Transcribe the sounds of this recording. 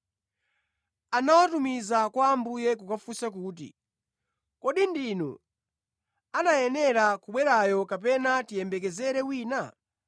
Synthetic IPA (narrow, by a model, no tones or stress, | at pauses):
anawatumizakwaːmbujɛkukafusak̬uːt̬ḭ | kɔɗindinṵ | anajɛnɛɾakuɓwɛɾajɔkap̬ɛnatijɛmbɛk̬ɛzɛɾɛwiːna